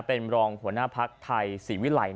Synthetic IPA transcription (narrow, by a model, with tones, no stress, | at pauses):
pe˧nɾɔː˧ŋhu˩˦ənaː˥˩pʰa˦˥k̚t̪ʰa˧jsiː˩˦wi˦˥la̰˨˩˦j